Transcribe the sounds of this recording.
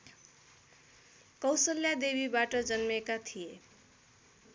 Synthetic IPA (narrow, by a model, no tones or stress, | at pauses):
kʌwsʌljad̪ebibaʈʌd͡zʌnmekat̪ʰije